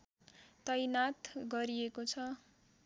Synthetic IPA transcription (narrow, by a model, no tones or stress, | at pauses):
t̪ʌjnat̪ɡʌɾiekot͡sʰʌ